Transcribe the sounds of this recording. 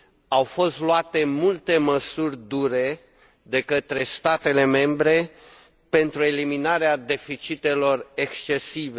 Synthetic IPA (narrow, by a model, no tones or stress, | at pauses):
awfo̞st̪loat̪e̞mult̪e̞məsurʲd̪uɾe̞ | d̪e̞kət̪ɾe̞st̪at̪e̞le̞me̞mbɾe̞ | pe̞nt̪ɾue̞liminaɾead̪e̞fit͡ʃit̪e̞lo̞rekst͡ʃe̞sive